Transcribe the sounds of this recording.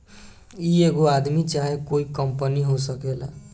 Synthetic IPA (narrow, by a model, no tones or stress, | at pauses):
ieɡoad̪mit͡ʃaɦekoikʌmpəniɦosʌkela̰